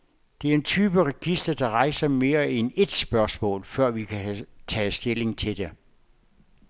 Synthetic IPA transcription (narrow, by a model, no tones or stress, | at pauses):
d̥e̝æɐe̝nt͡sʰyːb̥əʁɛɡ̥isd̥ɐd̥ɑ̈ʁɑ̈ɪsɐme̝ːɐene̝d̥sb̥ɶɐsmɔ̰̽ːlfɶɐ̰ʋikʰæt͡sʰɛ̰ːsd̥e̝le̝ŋt͡sʰe̝d̥e